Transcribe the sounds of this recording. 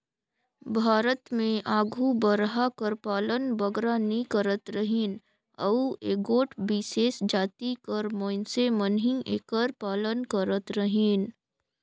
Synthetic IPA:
bʱaːɾət̪mẽʔaːɡʱubəɾɦakəɾpaːlənbəɡɾanikəɾət̪ɾəɦiːn | əueːɡoːʈʰbɪseːsd͡ʒaːt̪ikəɾmõːɪnsemənɦĩʔeːkəɾpaːlənkəɾət̪ɾəɦiːn

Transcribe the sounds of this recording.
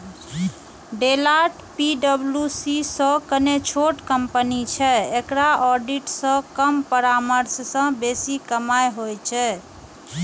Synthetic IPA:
ɖelaʈpiɖəbljusisə̃kənet͡ʃʰoʈkəmpənit͡ʃʰɛekɾaɔɾɖiʈsə̃kəmpəɾaməɾssə̃besikəmajɦojt͡ʃʰɛ

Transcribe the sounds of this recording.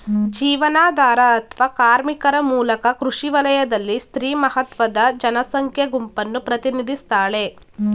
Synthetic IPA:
d͡ʒiːʋɐnaːd̪ʱaːɾɐːt̪ʰʋaːkaːɾmikɐɾɐmuːlɐkɐkɾuʂiʋɐlɐjɐd̪ɐlːist̪ɾiːmɐɦɐt̪ʋɐd̪ɐd͡ʒɐnɐsɐŋkʰjɐɡumpɐnːupɾɐt̪inid̪ʱist̪aːɭe̞

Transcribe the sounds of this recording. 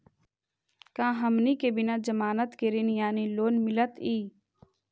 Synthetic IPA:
kãːɦəmniːkebɪnãːd͡ʒəmaːnət̪keɾinjaːniloːnmɪlət̪iː

